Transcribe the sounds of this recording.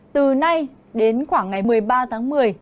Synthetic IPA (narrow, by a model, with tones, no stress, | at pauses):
t̪ɨ˨˩na˧j | ɗe˨˦nxwaː˧˩ŋːa˨˩jmɨ˨˩əjɓaː˧t̪ʰaː˨˦ŋmɨ˨˩əj